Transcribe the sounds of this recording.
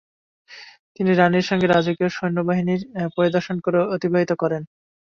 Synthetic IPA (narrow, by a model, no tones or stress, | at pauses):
t̪iniɾaniɾʃɔŋɡeɾad͡ʑokioʃojnːobaɦiniɾpoɾid̪oɾʃonkoɾeot̪ibʱabit̪okɔɾen